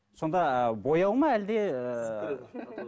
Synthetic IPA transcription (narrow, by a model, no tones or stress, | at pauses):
so̞nd̪ɑbojɑwˠmɑæld̪e